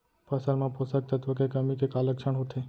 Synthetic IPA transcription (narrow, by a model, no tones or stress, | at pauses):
pəsəɾmãposək̚t̪ʰət̪ʋəkekəmikekaləkʃʰəɳɦot̪ʰe